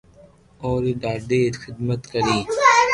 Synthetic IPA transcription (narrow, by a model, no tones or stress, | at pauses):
oːɾiːɖaːɖeːt̪xɪd̪mət̪kəɾiː